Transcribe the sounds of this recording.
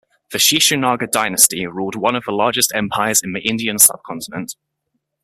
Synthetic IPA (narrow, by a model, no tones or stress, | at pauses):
ðəʃiˑʃənɑːɡədaɪnəstiɹuːlˠdwʌ̃nəvðəlɑːd͡ʒɪstɛ̃mpʰaɪəzɪ̃nðiʔɪ̃ndiə̃nsʌ̰b̥̚kʰɒ̃ntɪnə̃nt